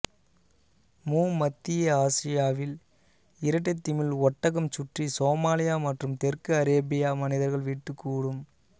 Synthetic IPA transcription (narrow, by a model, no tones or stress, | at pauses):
muːɐt̪ːɪjɐaːsɪjaːʋɪl | ɪɾɐʈ̬ːɐt̪ːɪmɪlɔʈːɐɣɐmt͡ʃʊʈrisoːmaːlɪjaːmɐʈrɯmt̪ɛɾkɯɐɾeːbɪjaːmɐnɪðɐɾɣɐɭʋiːʈːɯkːuːɽɯm